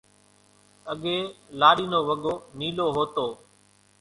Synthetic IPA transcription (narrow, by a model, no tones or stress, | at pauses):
əɠeːlaːɽiːnoːʋəɠoːniːloːɦoːt̪oː